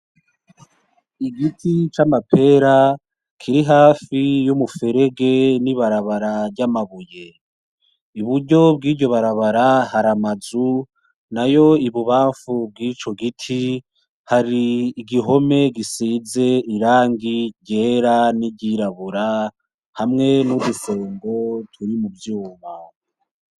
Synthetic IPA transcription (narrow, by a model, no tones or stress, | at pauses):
iɡitʰit͡ʃamapʰe̞ɾa | kʰiɾiɦaːfijumufe̞ɾe̞ɡe̞niβaɾaβaɾaɾɟamaβuje̞ | uβuɾɟo̞b̚ɡiːɾɟo̞βaɾaβaɾahaɾamazu | najo̞iβuβaːɱfub̚ɡiːt͡ʃo̞ɡitʰi | haɾiːɡiɦo̞me̞ɡisiːze̞iɾaːŋɡiɟe̞ːɾaniɟiɾaβuɾa | hamŋe̞nuβusoːŋɡo̞tʰuɾimubjuːma